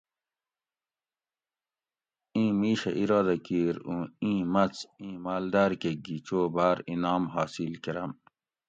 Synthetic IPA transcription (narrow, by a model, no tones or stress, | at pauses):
ĩːmiːɕɐ̰ʔiɾaːd̪ɐkiːɾũĩːmɐt͡sĩːmaːld̪aːɾkeɡit͡ɕoːbaːɾinaːmɦaːsilkiɾɐm